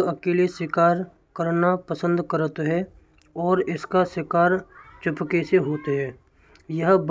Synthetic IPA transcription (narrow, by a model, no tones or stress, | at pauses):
ɐkeːlisɪkaːɾ | kəɾnapəsə̃nd̪kəɾət̪ɦɛ | ɔːɾɪskasɪkaːɾt͡ʃɪpkeseɦoːt̪ɦɛː | jəɦb